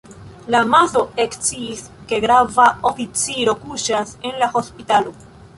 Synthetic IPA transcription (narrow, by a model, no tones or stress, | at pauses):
lamazo̞ekt͡siːs | ke̞ɡɾavao̞fit͡siɾo̞kuʃase̞nlaho̞spitalo̞